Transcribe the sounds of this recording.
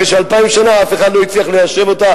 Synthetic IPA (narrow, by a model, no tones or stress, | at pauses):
eʃealpaimʃanaafe̞χad̪loit͡sliaχlejaʃe̞vo̞t̪a